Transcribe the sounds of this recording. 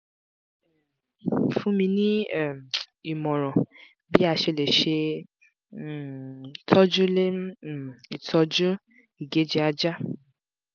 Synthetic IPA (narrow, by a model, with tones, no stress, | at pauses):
fũ˦mĩ˧nĩ˦˨m˨ | i˨mɔ̃˨ɾɔ̃˨ | bi˦a˧ʃe˧le˨ʃe˧˨ | tʰɔ˦d͡ʒu˦le˦˨i˨tʰɔ˧d͡ʒu˦ | i˨ɡe˨˦d͡ʒi˦a˧d͡ʒa˦